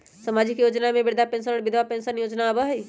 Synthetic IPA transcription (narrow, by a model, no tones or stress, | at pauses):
səmad͡ʒɪkjoːd͡ʒnamẽbɪɾd̪ʱapẽnsənəɽbɪd̪ʱwapẽnsənjoːd͡ʒnaːbəɦi